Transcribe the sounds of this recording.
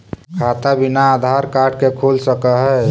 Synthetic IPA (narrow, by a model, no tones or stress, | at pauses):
kʰat̪abinaːd̪ʱaɾkaʈkekʰulsəkəɦɛ